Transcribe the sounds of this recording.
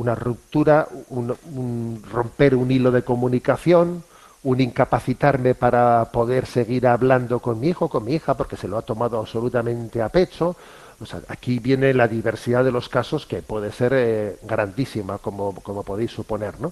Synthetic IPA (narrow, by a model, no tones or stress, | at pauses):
unarup̚t̪uɾaununro̞mpe̞ɾunilo̞ðe̞ko̞mũnikaθjo̞n | uniŋkapaθit̪aɾme̞paɾapo̞ðe̞ɾse̞ɣ̞iɾaβland̪o̞ko̞nmiixoko̞nmiixapo̞ɾke̞se̞loat̪o̞mað̞oaβso̞lut̪amẽ̞nt̪e̞ape̞t͡ʃo̞ | osa̰akiβje̞ne̞laðiβe̞ɾsiðaðe̞lo̞skaso̞ske̞pwe̞ðe̞se̞ɾɡɾand̪isimako̞moko̞mo̞po̞ðejsːupo̞ne̞ɾno̞